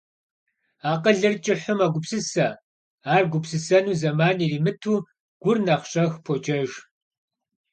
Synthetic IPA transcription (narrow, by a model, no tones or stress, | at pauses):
aːqəɮɨrt͡ʃʼɪħʷʊmaɡʷʊpsɨsɐ | aːrɡʷʊpsɨsɐnuːzɐmaːniːriːmɨtʰuː | ɡ̥ʷʊrnɐχɕʼɐxpʰot͡ʃʼɐʒ